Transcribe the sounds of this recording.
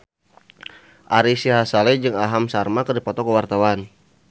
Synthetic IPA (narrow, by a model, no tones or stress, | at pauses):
ʔaɾisiɦasalɛd͡ʒɨŋaɦamsarmakərdipɔt̪ɔkəwart̪awan